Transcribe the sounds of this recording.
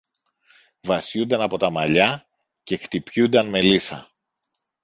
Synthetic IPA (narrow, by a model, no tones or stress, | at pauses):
vɐsçund̪ɐnɐpo̞t̪ɐmɐʎɐ | ce̞xt̪ipçund̪ɐnme̞lisɐ̰